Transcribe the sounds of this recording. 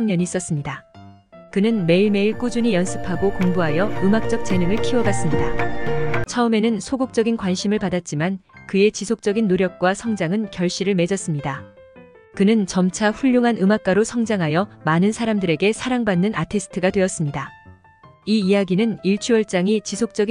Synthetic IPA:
ŋɲʌɲiːs͈ʌs͈ɯmɲida | kɯnɯnme̞iɭme̞iɭk͈ud͡ʑuɲijʌnsʰɯpʰaɡokoŋbuɦajʌɯmak̚t͡ɕ͈ʌk̚t͡ɕ͈e̞nɯŋɯɭkʰiwʌbas͈ɯmɲida | t͡ɕʰʌɯme̞nɯnsʰoɡok̚t͡ɕ͈ʌɡinkwanɕʰimɯɭpadat̚t͡ɕ͈imankɯe̞t͡ɕisʰok̚t͡ɕ͈ʌɡinːoɾjʌk̚k͈wasʰʌŋd͡ʑaŋɯnkjʌɭɕ͈iɾɯɭme̞d͡ʑʌs͈ɯmɲida | kɯnɯnt͡ɕʌmt͡ɕʰaɸuʎːoŋɦanɯmak͈̚aɾosʰʌŋd͡ʑaŋɦajʌmanɯnsʰaɾamdɯɾe̞ɡe̞sʰaɾaŋbanːɯnatʰisʰɯ̥tʰɯɡadwe̞ʌs͈ɯmɲida | iːjaɡinɯniɭt͡ɕʰuʌɭt͡ɕ͈aŋit͡ɕisʰok̚t͡ɕ͈ʌɡi

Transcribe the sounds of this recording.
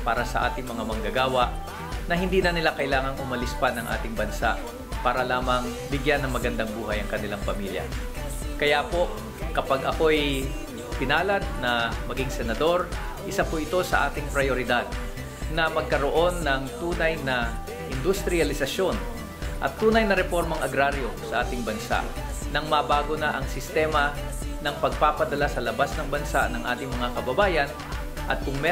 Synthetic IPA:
paːɾɐsɐ̰ʔa̰ːt̪ɪŋmɐŋamɐŋɡɐɡaːwɐʔ | nɐɦɪnd̪iːnɐnɪlakɐʔɪlaːŋɐŋʊmɐlɪspɐnɐŋʔa̰ːt̪ɪŋbɐnsa̰ʔ | paːɾɐlaːmɐŋ | bɪɡjanːɐŋmɐɡɐnd̪aŋbuːɦɐjɐŋkɐnɪlaŋpɐmiljɐ̰ | kɐjapo̞ʔ | kɐpaɡɐko̞ɛj | p̪ɪnaːlɐd̪̚nɐmɐɡiŋsɛnɐd̪o̞ɾ | ʔɪsapʊʔɪt̪o̞sɐʔa̰ːt̪ɪŋpɾɐjoɾɪd̪ad̪̚ | nɐmɐɡ̚kɐɾoʔo̞nːɐŋt̪uːnɐjnɐ | ʔɪnd̪ʊst̪ɾɪɐlɪsɐʃo̞n | ʔɐ̰t̪ːuːnɐjnɐɾɛfo̞ɾmɐŋʔɐɡɾaɾjo̞sɐʔaːt̪ɪŋbɐnsa̰ʔ | nɐŋmɐbaːɡonɐʔɐŋsɪst̪ɛːmɐnɐŋpɐɡ̚papɐd̪ɐlasɐlɐbasnɐŋbɐnsanɐŋʔaːt̪ɪŋmɐŋakɐbɐbaːjɐn | ʔɐ̰t̪̚kʊŋmɛ

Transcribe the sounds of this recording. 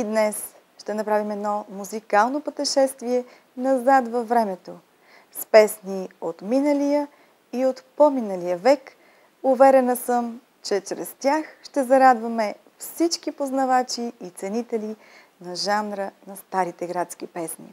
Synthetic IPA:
id̪nɛs | ʃt̪ɛnɐpɾavimɛd̪nɔmuzikalˠnopət̪ɛʃɛst̪viɛ | nɐzat̪vɐvɾɛmɛt̪o | spɛsniot̪minəlijə | iot̪pominəlijəvɛk | ʊvɛɾɛnəsəm | t͡ʃɛt͡ʃɾɛst̪ʲjaxʃt̪ɛzɐɾad̪vɐmɛ | fsit͡ʃkipoznɐvat͡ʃiːt̪sɛnit̪ɛli | nɐʒanɾənɐst̪aɾit̪ɛɡɾat̪skipɛsnḭ

